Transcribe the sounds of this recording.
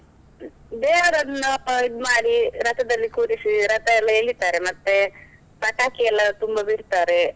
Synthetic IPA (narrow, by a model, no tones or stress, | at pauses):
b̪eːɦɐɾɐnnɐːpːaid̪maːɽiɾɐt̪ɐd̪ɐlːikuːɾisiɾɐt̪aɛlːɐelit̪aːɾemɐt̪ːe | pɐʈakiɛlɐt̪umbabʱiɽt̪aːɾe